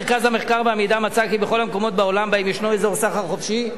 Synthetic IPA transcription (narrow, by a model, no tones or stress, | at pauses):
ʁkazhameχkaʁbeamejd̪amat͡sakibeχo̞lhameko̞mo̞t̪̚bao̞lambaimjɛʃnoezo̞ʁsaχaʁχofʃi